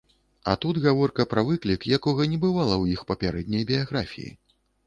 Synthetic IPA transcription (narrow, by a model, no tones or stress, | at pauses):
ɐ̰t̪ud̪ɣavɔrkɐpɾɐvɨklʲikjakɔɣɐnʲɛbɨvalˠɐwjixpɐpʲaɾɛd̪̚ʲnʲɐjbʲijaɣɾafʲḭjḭ